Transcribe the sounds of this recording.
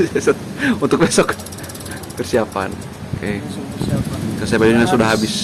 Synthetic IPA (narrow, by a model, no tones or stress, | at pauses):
esɔt̪̚ | unt̪ʊk̚bɛsɔk | pərsiapa̰n | oke | kasiapadininaŋsudaɦabɪs